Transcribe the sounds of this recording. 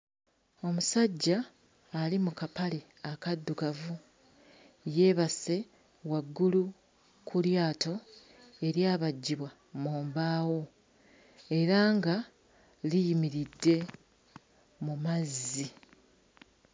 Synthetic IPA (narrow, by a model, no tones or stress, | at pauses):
o̞musaɟːaː | limukapale̞ | akadːuɡavu | je̞ːβase̞ | waɡːulu | kʰuljaːto̞ | e̞ɾjaːβaɟːiβwa | moːmbaːwo̞ | e̞ɾaŋɡa | lijimiɾidːe̞ | mumazi